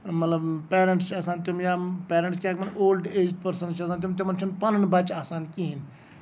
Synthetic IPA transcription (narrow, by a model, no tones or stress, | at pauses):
mɐt̪ləbpeːɾə̃ɳʈst͡ʃʰɐsãːnt̪umjaːpeːɾə̃ɳʈs̬kʲaːkmɐnoːlɖeːd͡ʒɖpɐɾsənt͡ʃʰɐsãːnt̪imt̪̬imɐnt͡ʃʰunpɐnnbɐt͡ʃaːsaːnkiɦin